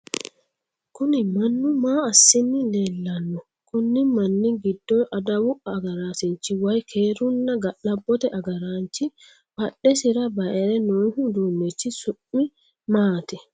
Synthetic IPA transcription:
kʊnɪmɐnːʊmaːɐsːɪnːɪlelːɐnːɔ | kʊnːɪmɐnːɪɡɪd̪ːɔʔɐd̪ɐwʊʔɐːɡɐɾaːsɪnt͡ʃːiwɐjkʰeːɾʊnːɐɡɐlɐbːɔt̪ɛʔɐɡɐɾaːnt͡ʃɪ | bɐɗɛsɪɾɐbɐʔɛɾɛnoːnhʊd̪uːnːɛt͡ʃːɪsʊʔmːɪ | maːt̪ɛ

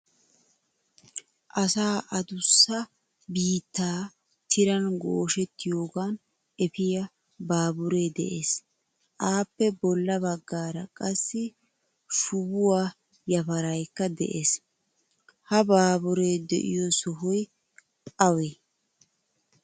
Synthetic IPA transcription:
ʔɐsaːʔɐd̪ʊsːɐ | biːt̪ːaː | t̪ʰɪɾɐnɡoːʃɛt̪ːɪjo̞ːɡaːn | ɛpɪjɐ | baːbʊɾeːd̪ɛ̰ʔeːs | ʔaːpːɛbɔlːɐbɐɡːaːɾɐkʼɐsːɪ | ʃʊbʊwaː | jɐpɐɾɐjkːɐd̪ɛ̰ʔeːs | hɐbaːbʊɾeːd̪ɛ̰ʔɪjɔsɔɦɔj | ɐwe

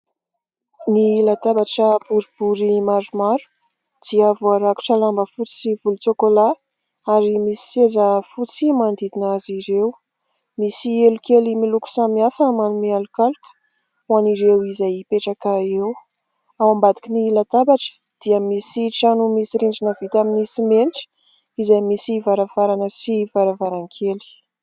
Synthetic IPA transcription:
nilat̪abaʈ͡ʂəbuɾib̥uɾimaɾumaɾu̥ | d̪̥iəavuaɾaku̥ʈ͡ʂəlambəfut͡si̥sivulut͡sokola | aɾimisi̥sezəfut͡simand̪id̪inaziɾew | misielukelimiluku̥samiafəmanumialukalukə̥ | waniɾewizajpeʈ͡ʂakaew | awambad̪ikinilat̪abaʈ͡ʂə̥ | d̪̥iəmisiʈ͡ʂanumisiɾiɳd͡ʒinəvit̪aminisimeniʈ͡ʂə̥ | izajmisivaɾavaɾanəsivaɾavaɾaŋkʰeli̥

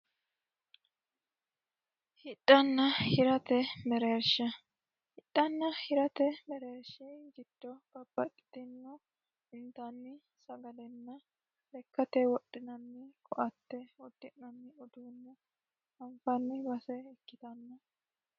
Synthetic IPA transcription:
hɪtʼːɐnːɐhɪɾɐt̪ɛmɛɾeːɾʃɐ | hɪtʼːɐnːɐhɪɾɐt̪ɛmɛɾeːɾʃɛɡɪd̪̥ːɔb̥ɐb̥ːɐtʼːɪ̥t̪ɪnːɔ | ɪnt̪ɐnːɪ | sɐɡɐlɛnːɐ | lɛkːɐt̪ɛwɔɗːɪnɐnːɪkʰɔʔɐt̪ːɛwɔd̪̥ːɪʔnɐnːɪɔd̪uːnːɛ | ɐɱfɐnːɪbɐsɛɪkːɪt̪ɐnːɐ

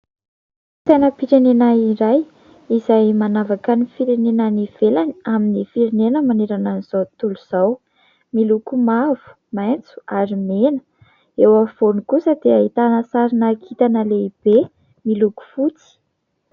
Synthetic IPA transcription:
t̪enəpiɾenenaiɾaj | izajmanavakanifiɾenenaniv̥elaniaminifiɾenenəmaneɾananiz̥at̪uluz̥aw | milukumav̥u̥ | majnt͡su̥aɾimenə | ewav̥onikusəd̪eait̪anəsaɾinakʰit̪anəleib̥e | miluku̥fut͡si̥

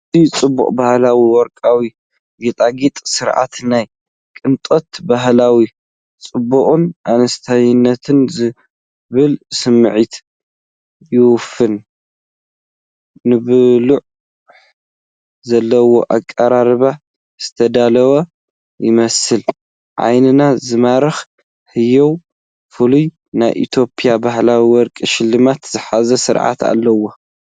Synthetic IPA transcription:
t̪it͡sʼɨbːṵqʼbahlawiwɔɾkʼawi | ɡet̪ʼaɡit̪ʼsɨɾʕa̰t̪naj | kʼɨnt̪ʼot̪baɦlawi | t͡sʼɨbːuχʼunʔanɐst̪ʰajnːɐt̪ʰɨnzɨ | βɨlsɨmːɨʕit̪ | jɪwʊfɨn | ɨβɨluʕ | zɐlːɐwo̞̰ʔakʼːɐɾaɾɨβa | z̥ɨt̪ʰɐd̪alɐwɐ | jɪmɐsɨl | ʕa̰jnɨnazɨmaɾɐx | hɨjow | fɨluj | na̰jʔḭt̪ʰo̞pʼijabahlawiwɔɾkʼiʃɪlːɨmat̪zɨħazɐsɨɾʕa̰t̪a̰lːɐwo

